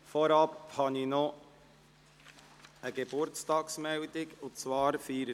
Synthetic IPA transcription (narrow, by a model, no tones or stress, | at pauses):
fɔɾɑphɑnino | əɡebʊɾtstɑːksmɛwdɪɡʊt͡svɑːɾfiːɾ